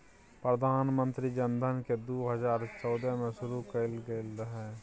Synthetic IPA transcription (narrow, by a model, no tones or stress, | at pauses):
pɾəd̪ʱaːnmə̃nt̪ɾid͡ʒənd̪ʱənked̪uːɦəzaːɾt͡ʃɔːd̪əmẽʃʊɾukəlɡeɪlɦɛː